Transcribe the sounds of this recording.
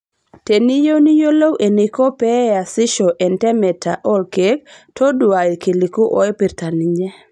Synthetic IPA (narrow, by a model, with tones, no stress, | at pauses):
te˨ni˦jo˦ni˦jo˦lo˦wʔe˨ni˨ko˦pɛ˦a˨si˦ʃɔ˨ʔe˨ntɛ˦mɛ˨tʰa˨ʔɔ˦lke˦k̚to˦du˨a˨i˨ki˨li˨ku˦ʔɔ˦ɛ˦pi˨ɾta˨ni˨ɲe˦